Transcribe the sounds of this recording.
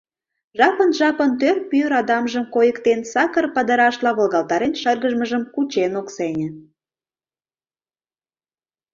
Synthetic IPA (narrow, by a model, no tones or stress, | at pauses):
ʒɑpənʒɑpənt̪ørpyɾɑd̪ɑmʒəmkojəkt̪ensɑkərpəd̪əɾɑʃlɑβə̆lɣɑlt̪ɑɾenʃərɣəʒməʒəmkut͡ɕenoksenʲĕ